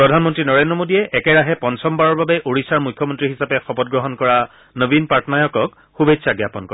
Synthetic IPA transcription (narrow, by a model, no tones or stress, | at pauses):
pɹɔdʱanmɔntɹinɔɹendɔmodijɛʔɛkɛɹaɦɛpɔnsɔmbaɹɔɹbabɛʔoɹisaɹmujkʰːjɔmɔntɹiɦisapɛxɔpɔt̚ɡɹɔɦɔnkɔɹa | nəbinpatʰɔnajɔkɔk̚ | xubejtsʰaɡjapɔnkɔɹ